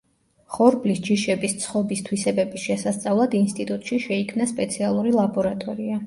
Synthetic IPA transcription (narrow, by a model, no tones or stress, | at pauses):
χɔɾblisd͡ʒiʃɛbist̪sʰχɔbist̪ʰwisɛbɛbisʃɛsast̪sʼavlˠad̪inst̪ʼit̪ʼut̪ʼʃiʃɛikʰmnaspʼɛt̪sʰialˠuɾilˠabɔɾat̪ʼɔɾia